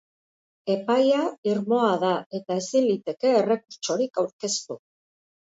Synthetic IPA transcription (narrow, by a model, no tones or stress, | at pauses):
e̞pajaiɾmo̞aðae̞t̪ae̞sind̪it̪e̞ke̞ːre̞kuɾt͡ʃo̞ɾikawɾke̞st̪u